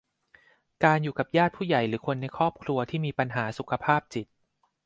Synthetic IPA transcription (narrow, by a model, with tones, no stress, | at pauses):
kaː˧njuː˨˩ka˨˩p̚jaː˥˩t̪̚pʰuː˥˩ja˨˩jɾɯː˩˦kʰo˧nːa˧jkʰɾɔː˥˩p̚kʰlɾu˧ɐt̪ʰiː˥˩miː˧pa˧nɦaː˩˦su˨˩kʰa˧pʰaː˥˩p̚t͡ɕi˨˩t̪̚